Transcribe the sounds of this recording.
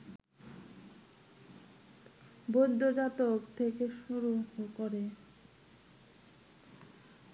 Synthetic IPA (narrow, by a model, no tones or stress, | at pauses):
bojd̪ʱːod͡ʑat̪okt̪ʰekeʃuɾuɦokoɾe